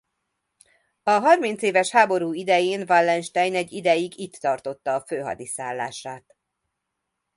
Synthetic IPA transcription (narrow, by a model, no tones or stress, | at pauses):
ɒɦɒrmin̪t̪seːvɛʃhaːbo̞ɾuːid̪ɛjeːnvɒlːɛnʃt̪ɛjnɛɟːid̪ɛjiɡit̪ːɒrt̪o̞t̪ːɒːføːɦɒ̰d̪isaːlːa̰ːʃaːt̪